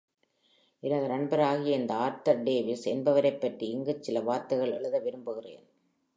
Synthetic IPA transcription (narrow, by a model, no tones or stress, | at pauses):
ʔɪɾɐðɯnɐɳbɐɾaːɣɪjɐɛnd̪ɐaːɾt̪ɐɾɖeːʋɪsɛnbɐʋɐɾɐɪpːɐʈriɪŋɡɯt͡ʃɪlɐʋaːɾt̪ːɐɣɐɭɛɭɯðɐʋɪɾɯmbɯɣɪrḛːn